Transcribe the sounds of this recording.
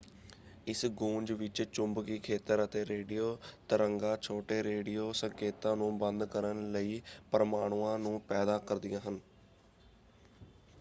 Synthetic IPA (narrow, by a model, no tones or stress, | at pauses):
ɪsɡũːɲd͡ʒʋɪt͡ʃt͡ʃʊmbkiːkʰeːt̪əɾət̪eːɾeːɖijoːt̪əɾəŋɡaːt͡ʃʰoːʈeːɾeːɖijoːsəŋkeːt̪ãːnũːbə̃nd̪kəɾənləiːpəɾəmaːɽ̃uːãːnũːpɛːd̪aːkəɾd̪ɪjãːɦən